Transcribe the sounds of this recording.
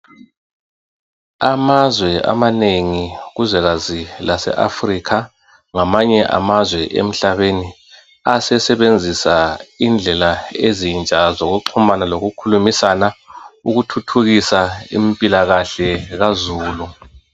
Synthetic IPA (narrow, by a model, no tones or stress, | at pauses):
amazwɛa̰maneŋiɣuzɛɣazilasɛ̰ʔa̰frikʰa | ŋamaɲɛʔa̰mazwɛʔḛm̩ɬaβeni | asɛsɛβend͡zʱisaind͡ɮʱɛlaezint͡ʃʼazoɣuǃʰumanaloɣukʰulumisanauɣutʰutʰuɣisaimpʼilaɣaɬɛɣazuːlu